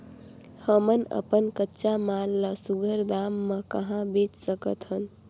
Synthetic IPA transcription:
həmənə̰pənkətːʃamalːəsuɡʱəɾd̪amːəkəɦãbet͡ʃsəkət̪ɦən

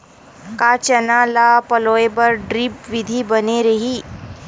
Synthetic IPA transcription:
kaːt͡ʃɐnaːlapɐloːepɐɾɖɾipʋɪd̪ʱibɐneɾɐɦiː

